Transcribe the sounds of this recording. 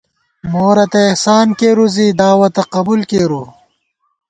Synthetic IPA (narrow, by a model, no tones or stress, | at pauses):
moːɾɐt̪ɐehsaːnkeːɾuziːd̪aːwɐt̪ɐqɐbulkeːɾu